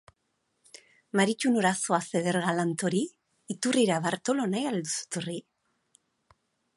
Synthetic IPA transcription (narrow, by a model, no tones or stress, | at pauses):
maɾit͡ʃunoɾaso̞ase̞ðeɾɣalant̪o̞ɾiː | t̪uriɾaβaɾt̪o̞lo̞najald̪usu̥t̪uri